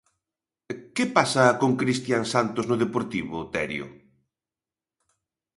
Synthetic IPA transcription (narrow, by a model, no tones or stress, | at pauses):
kepasɐkoŋkɾist̪jaŋsant̪oznʊðepoɾt̪iβʊt̪ɛɾjʊ̰